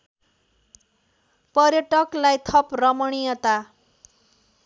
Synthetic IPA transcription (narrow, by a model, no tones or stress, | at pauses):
pʌrjʌʈʌklajt̪ʰʌprʌmʌɽ̃ijʌt̪a